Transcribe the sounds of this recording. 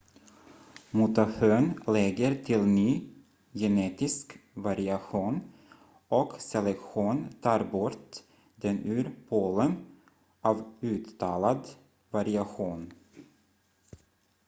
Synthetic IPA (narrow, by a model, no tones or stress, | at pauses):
mʊt̪aføːnlɛɡəɾt̪ʰɪlnyː | jɛneːt̪ɪskvaɾɪaɧuːn | ɔksɛlɛkɧuːnt̪ʰɑːɾbɔɾt̪ | d̪ɛnʉːɾpʰoːlən | ʔɑvʉ̟ːt̪ːɑːlad̪ | vaɾɪaɧuːn